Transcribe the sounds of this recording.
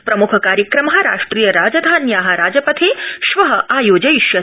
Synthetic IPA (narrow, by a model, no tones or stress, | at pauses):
pɾɐmukʰɐkaːɾjɐkɾɐmɐɦɐɾa̰ːʂʈɾiːjɐɾaːd͡ʒɐd̪ʱaːnjaːɦɐ̆ɾaːd͡ʒɐpɐt̪ʰiʃʋɐɦɐ̆ʔaːjoːd͡ʒɐjiʃjɐ